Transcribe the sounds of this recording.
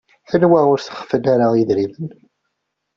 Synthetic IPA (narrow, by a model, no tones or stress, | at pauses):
θənwæʁʊɾθə̥χə̥fənaɾajəðɾimən